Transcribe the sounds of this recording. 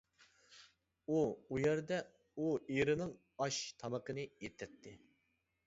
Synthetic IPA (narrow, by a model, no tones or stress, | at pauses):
uujɛɾd̪ɛ | ueɾɨnɨŋ | ɑʃt̪ʰɑməqənɨjet̪ʰːɛt̪ʰːɪ